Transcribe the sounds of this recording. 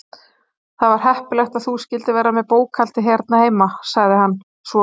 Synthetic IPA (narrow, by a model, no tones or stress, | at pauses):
θaðvaɾ̥hɛhpʏlɛxt̪aðθuscɪlt̪ɪvɛːɾːamɛðpoːwkʰal̥t̪ɪɦɛɾt̪naheːjmasaɣðɪɦanː | svɔ